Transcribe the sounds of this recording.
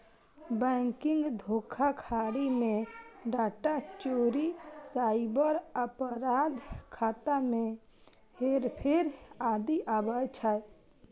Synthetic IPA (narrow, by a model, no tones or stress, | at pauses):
bɛ̃ːŋkɪ̃ŋɡd̪ʱoːkʰakʰaːɽimẽɖaːʈat͡ʃoːɾisaːibəɾəpɾaːd̪ʱkʰaːt̪amẽ | heɾpʰɪɾaːd̪iʔabajt͡ʃʰa